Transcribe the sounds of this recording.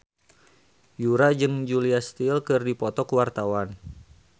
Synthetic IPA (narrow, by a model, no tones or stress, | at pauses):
juɾad͡ʒɨŋd͡ʒuliast̪ilkɨrdipɔt̪ɔkuwart̪awan